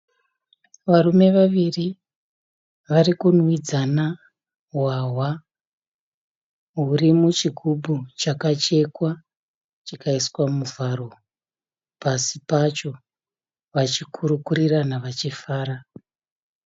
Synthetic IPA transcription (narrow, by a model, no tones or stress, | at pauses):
ʋaɾume̞ʋaʋiri | ʋaɾikunwid͡zana | waɦwa | ɦurimut͡ʃiɡʱubʱut͡ʃakat͡ʃe̞kwa | t͡ʃikaiswamuvʱaɾo̞ | pasipat͡ʃo̞ | ʋat͡ʃikʰuɾukuɾiranaʋat͡ʃifaːɾa